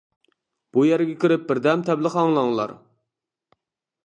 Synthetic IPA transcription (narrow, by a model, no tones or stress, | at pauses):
b̥ujæɾɪɡʲɛkʲiɾɪp̚bɪɾd̪ɛmt̪ʰɛblɪqɑŋlˠɑŋlˠɑ̰ɾ